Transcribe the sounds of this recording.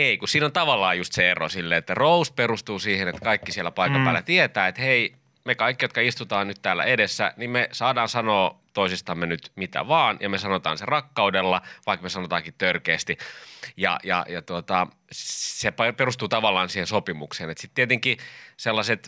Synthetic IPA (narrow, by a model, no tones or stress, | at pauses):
eikussiːnont̪ɑʋɑlːˑɑːjjust̪seero̰silːeːet̪ːærousperust̪uːsiːhenet̪kɑikːisielːˑæpɑikɑmpæːlːˑæt̪iet̪æːet̪hei | mekɑikːijot̪kɑist̪ut̪ɑːnnyt̪t̪æːlːæ̰ʔedesːæ̰nimmesɑːdɑːnsɑnoːt̪oisist̪ɑmːenyt̪mit̪æ̰ʋɑːnjɑmesɑnot̪ɑ̰ːnserɑkːɑudelːɑʋɑikmesɑnot̪ɑːŋkit̪t̪ørkeːst̪ijɑ̰jɑ̰jɑt̪uot̪ɑ | ssepɑperust̪uːt̪ɑʋɑlːˑɑːnsiːhensopimukseːnet̪sit̪t̪iet̪eŋkiselːɑset̪